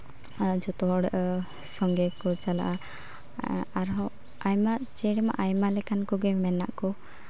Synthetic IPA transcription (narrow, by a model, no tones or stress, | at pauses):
d͡ʒɔt̪ɔɽʔ | sɔŋɡɛkɔt͡ʃala̰ʔa | aɾɦɔ | ajmaʔt͡ʃɛɽɛma̰ʔajmalɛkankɔɡɛmɛna̰ʔkɔ